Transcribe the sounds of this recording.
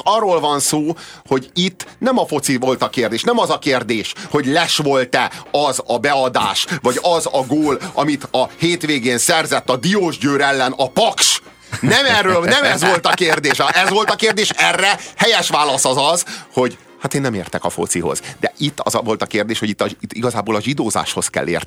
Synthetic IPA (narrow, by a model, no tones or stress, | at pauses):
ɒrːoːlvɒnsoːho̞ɟit̪ːnɛmɒfo̞t̪sivo̞lt̪ɒkeːrd̪eːʃnɛmɒzɒkeːrd̪eːʃho̞ɟlɛʃʋo̞lt̪ɛɒzɒbɛɒd̪aːʃʋɒɟɒzɒɡoːlɒmit̪ɒheːt̪ʋeːɡeːnsɛrzɛt̪ːɒd̪ioːʒɟøːɾɛlːɛnɒpɒkʃ | nɛmɛrːøːlnɛmɛzʋo̞lt̪ɒkeːrd̪eːʃʔɛzʋo̞lt̪ɒkeːrd̪eːʃɛrːɛhɛjɛʃʋaːlɒsɒzɒzho̞ɟ | hat̪eːnːɛmeːrt̪ɛkɒfo̞̰t̪siɦo̞̰z̥d̪ɛ̰ʔit̪ːɒ̰zɒvo̞lt̪ɒkeːrd̪eːʃho̞ɟit̪ːɒit̪ːiɡɒzaːboːlɒʒid̪oːza̰ːʃho̞skɛ̰lːḛːr